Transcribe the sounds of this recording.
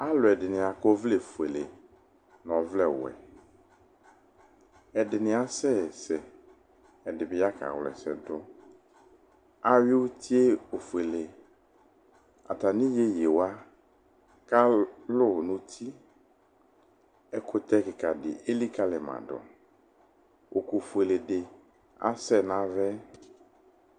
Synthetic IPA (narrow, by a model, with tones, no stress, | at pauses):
a˦lʊ˨ɛ˨dɪ˨nɪ̃˨a˨kɔ˦vle˨fu˨e˨le˨ | nɔ̃˨vlɛ˦˨wɛ̰˨ | ɛ˨dɪ˨nɪ̃˨a˨sɛ˦˨sɛ˨ | ɛ˨dɪ˨bɪ˨˦ja˦ka̰˨wlɛ̰˨sɛ̰˨dʊ˦ | a˦wɪ˦wo˦t̪ʰi˦e˦o˨fu˨e˨le˨ | a̰˨t̪a˨nĩ˦je˦je˨wa˦ | ka˦lʊ˦˨nʊ̃˦t̪ʰi˦ | ɛ˦kʰʊ˦t̪ɛ˦kɪ˨ka˨dɪ̰˨ʔe˦li˦ka˦lɪ˨mã̰˨dɔ̰˨ | o˨ko˨fu˨e˨le˨dɪ˨ | a̰˦sɛ˦˨nã˨˦vɛ˦